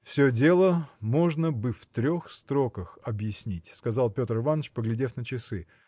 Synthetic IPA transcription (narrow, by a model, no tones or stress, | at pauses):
fsʲɵdʲe̞lˠəmo̞ʐnəbɨft̪ɾʲo̞xst̪ɾo̞kəxɐbjɪsʲnʲitʲskɐzalˠpʲo̞t̪rɨvanət͡ɕpəɡlʲɪdʲe̞fnət͡ɕɪsɨ